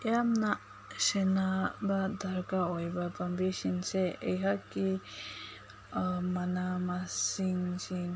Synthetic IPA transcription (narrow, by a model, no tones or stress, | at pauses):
eamnaʔ | ʃɛnabad̪ʱaɾkaojbapambiʃinsɛejɦaki | manamasiŋsin